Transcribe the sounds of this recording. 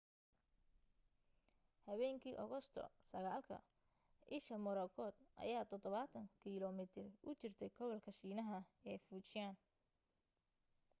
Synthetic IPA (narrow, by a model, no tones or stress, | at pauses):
hɐβɛːŋkʰiːʔɔɣɔst̪ʰɔ̰sɐɣaːlkʰɐ̰ | ʔɪʃɐmʊɾɐkʰɔːd̪̥ʔɐ̰jaːt̪ʰɔd̪ɔβat̪ʰɐŋkʰiːlɔmɪt̪ʰɪrʊt͡ʃɪrt̪ʰɛjɡʰɔβɔlkʰɐʃiːnɐɦɐɛːfuːt͡ʃɪjaːn